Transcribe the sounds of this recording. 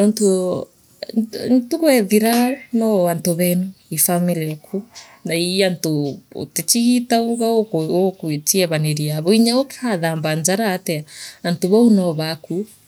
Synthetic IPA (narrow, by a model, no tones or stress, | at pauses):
ɔnto | ntukwɛðiɾanɔβantoβɛnuifamiliakʰu | naiantoo̰tet͡ʃiɣitauɣaookwetiɛβaneɾiaβɔiɲaokhaðambaɲd͡ʒaɾaːtɛaantoβaunaβaku